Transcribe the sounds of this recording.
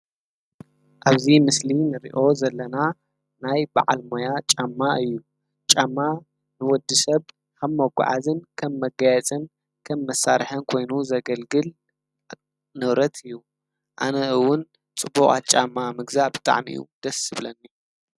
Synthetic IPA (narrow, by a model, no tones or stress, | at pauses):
ʔaβzimɨslinɨɾḭʔo̞zɐlːɐna | najba̰ʕa̰lmojat͡ʃʼamːaɨjːu | t͡ʃʼamːa | nɨwɔd̪ːɨsɐβ | kʰɐmːɐɡʷʊ̰ʕa̰zɨnkʰɐmːɐɡajɛt͡sʼɨn | kʰɐmːɐsːaɾħɐnkʰo̞jnuzɐɡɐlɡɨl | nɨβɾɐt̪ʰɨjːu | ʔanɐɨwʊn | t͡sʼɨbuχʼat͡ʃʼamːamɨɡzabɨt̪ʼa̰ʕmḭjṵd̪̥ɐsɨβlɐnːi